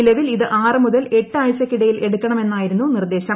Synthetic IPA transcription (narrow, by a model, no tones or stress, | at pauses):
ilɐʋiliðɨʔaːrɨmuðɐle̞ʈːɨaːjt͡ɕːɐkʲːiɽɐjilʔe̞ɽukʲːɐɳɐme̞nːaːjiɾunːunird̪e̞ːɕɐm